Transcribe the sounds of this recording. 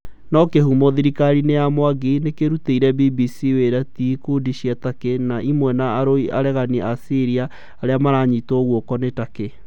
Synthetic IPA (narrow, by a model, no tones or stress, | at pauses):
nɔkehumoðiɾikaɾinejamowaɡinekeɾuteiɾɛbibisiweɾatikodiɕiatakenaʔimwɛnaːɾoia̰ɾɛɣaniʔasiɾiaː | ɾeamaɾaɲitoɣwɔkɔnetake